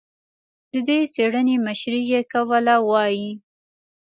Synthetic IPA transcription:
d̪əd̪eseɽəneməʃɾijekawəlawɑji

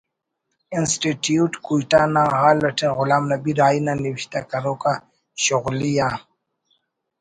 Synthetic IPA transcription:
institjutkuitanaɣalatɛɣʊlamnabiɾainanivʃi̥t̪akaɾɔka | ʃuɣlija

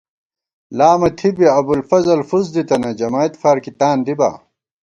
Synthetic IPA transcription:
laːmɐt̪ʰibiɐbulfɐzɐlfuzd̪it̪ɐnɐd͡ʑɐmaːit̪faːɾkit̪aːnd̪iba̰ː

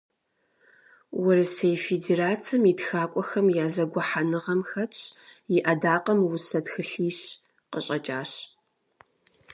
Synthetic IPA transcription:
wʊɾɨsejfedeːraːt͡sʰɐmitxaːkʷʼɔxɐmjaːzɐɡʷɔħanɨʁɐmxɐtɕʼjɪʔɐdaːqɐmwʊsɐtxɨɬiːɕ | qə̰ɕʼɐt͡ʃʼaːɕ

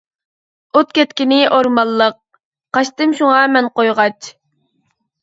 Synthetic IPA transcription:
ot̪kʲɛt̪kʲinɪʔoɾmɑlˠːəq̚ | qɑʃt̪ɨmʃuŋɑmɛnqojʁɑt͡ʃʰ

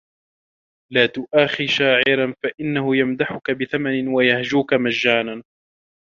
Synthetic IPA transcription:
laːt̪ʊʔaːxiʃaːʕɪɾanfaʔɪnːahʊjamd̪aħʊkabɪθamanɪnwajahd͡ʒuːkamaʒːaːnan

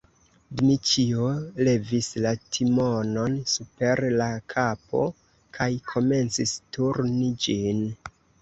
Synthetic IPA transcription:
dmit͡ʃiole̞vislatʰimo̞no̞nsupe̞ɾlakʰapo̞̰ | kʰajkʰo̞me̞nt͡sistuɾnid͡ʒin

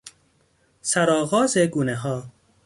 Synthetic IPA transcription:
sæɾɒːɣɒːzeɡuːneɦɒː

